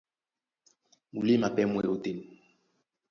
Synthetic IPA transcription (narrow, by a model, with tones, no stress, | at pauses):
mu˨li˦ma˨pɛ˦mwɛ˦˨o˦te˨n